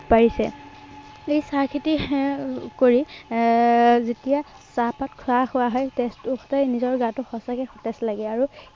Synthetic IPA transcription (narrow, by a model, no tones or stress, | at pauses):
paɹisɛ̰ | ejsaɹkʰiti | koɹi | zetija | sapatkʰʊaxʊwaɦɔjtɛstʊxɔ̥tanizɔɹɡãtʊxɔsakɛxɔtɛslaɡɛaɹu